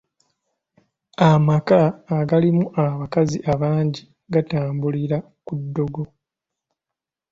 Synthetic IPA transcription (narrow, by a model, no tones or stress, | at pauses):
amakaːɡalimuʔaβakaziʔaβaːɲɟi | ɡataːmbuliɾa | kudːo̞ɡo̞